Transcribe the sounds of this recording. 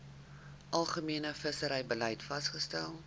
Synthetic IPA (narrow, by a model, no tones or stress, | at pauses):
ʔɐlˠχəmiənəfəsəɾɛjbəlɛjtfɐsχəstælˠ